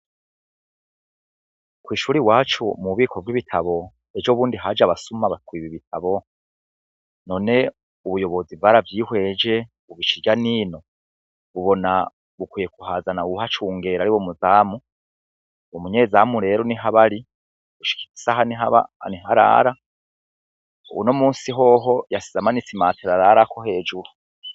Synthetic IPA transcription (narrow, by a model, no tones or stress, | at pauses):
kwiːʃuːɾiwaːt͡ʃumuβiːkʰovɡwiβitʰaβo̞ | ed͡ʒoβuːndiɦad͡ʒaβasumaβatwiːβiβitʰaβo̞ | no̞ne̞ | uβujo̞βo̞zivaɾavjiːhwe̞ːd͡ʒe̞ | βuβit͡ʃiɾɟaniːno̞ | βuβo̞na | βukwijekuhaːzanauuhat͡ʃuːŋɡe̞ːɾaɾiwomuzaːmu | omuɲe̞ːzaːmuɾe̞ːɾo̞niɦaβaɾi | βuʃi̥ki̥ti̥sahaniɦaβa̰niɦaɾa̰ːɾa | uwuno̞muːnsiɦo̞ːɦo̞jasizamanisimaːteɾaɾaːɾakʰo̞ɦe̞ːd͡ʒuɾu